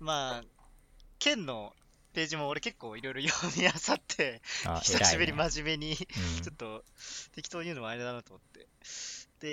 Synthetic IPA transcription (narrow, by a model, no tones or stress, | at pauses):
maː | kẽ̞nːo̞ | pe̞ːʑimo̞ːɾe̞ke̞kːo̞ːiɾo̞jɾojomʲiasat̪ʰːe̞çʲisaɕibeɾʲimaʑime̞ɲ̟it͡ɕo̞t̪ːo̞t̪e̞kʲi̥t̪oːjɯ̟ːno̞maiad̪anat̪oːmot̪ːe̞̰ | d̪̥e̞